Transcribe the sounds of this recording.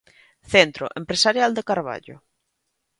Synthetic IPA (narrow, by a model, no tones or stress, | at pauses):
θent̪ɾo̰ʔempɾesaɾjald̪ekaɾβ̞a̰ʎo̰